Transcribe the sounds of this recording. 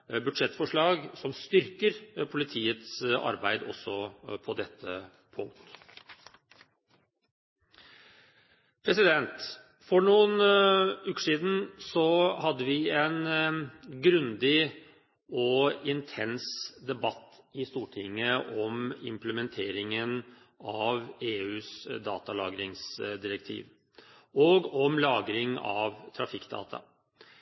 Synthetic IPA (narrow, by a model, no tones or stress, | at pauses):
bʉd̪ʂɛt̪ːfɔʂɭɑːɡsɔmst̪ʏɾkəɾpʰʊlɪt̪ʰiːət̪sɑ̰ɾbæɪd̪ɔsːɔpʰɔd̪ɛt̪ʰːə | pʰʊŋkt̪ | pʰɾɛsɪd̪ɛnt̪ | fɔɳuːənʉːkə̥ʂiːd̪n̩sɔhɑd̪ːəʋɪɛn | ɡɾʉnd̪ɪ | ɔɪnt̪ʰɛnsd̪ɛbɑt̪ː | ɪst̪uːʈʰɪŋːəʔɔmɪ̰mpləmɛnt̪ʰeːɾɪŋən | ɑʋeːʉːsd̪ɑːt̪ɑlɑ̰ːɡɾɪŋsd̪ɪɾək̚t̪ʰḭːʋ | ɔɡɔmlɑːɡɾɪŋɑ̰ʋt̪ʰɾɑfɪkːd̪ɑ̰ːt̪ʰɑ̰